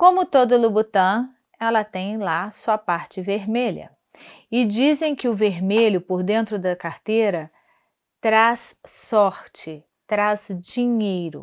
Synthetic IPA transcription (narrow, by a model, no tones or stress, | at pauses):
kõmʊt̪od̪ʊlubut̪ɐ̃w̃ | ɛlɐt̪ẽj̃lasuɐpaɾt͡ʃɪveɾmeʎɐ̰ | ɪd͡ʒizẽj̃kɪʊveɾmeʎʊpoɾd̪ẽnt̪ɾʊd̪ɐkaɾt̪eɾɐ | t̪ɾassɔɾt͡ʃɪ | t̪ɾazd͡ʒiɲejɾʊ